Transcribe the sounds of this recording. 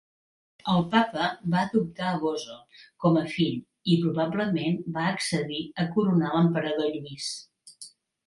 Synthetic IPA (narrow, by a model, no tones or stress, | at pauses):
əlˠpapəbaəðup̚t̪aəɣozokɔməfiʎ | ipɾuβabləmenbaəksəðiəkuɾunaləmpəɾəðoʎuis